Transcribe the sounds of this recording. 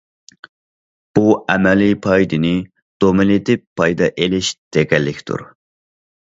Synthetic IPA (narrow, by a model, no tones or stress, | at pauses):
b̥uɛmɛlipʰɑjd̪ɪnɪ | d̪̥omɪlɪt̪ʰɪppʰːɑjd̪ɑʔelɪʃd̪̥eɡʲɛlːɪkʲt̪ʰṵɾ